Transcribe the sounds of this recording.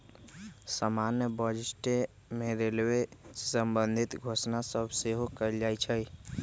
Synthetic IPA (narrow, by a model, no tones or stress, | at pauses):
samanjəbəd͡ʒisʈe | meɾelbesəmbənd̪ʱit̪ɡʱosnasəbʱseɦokəld͡ʒajt͡ʃʰəj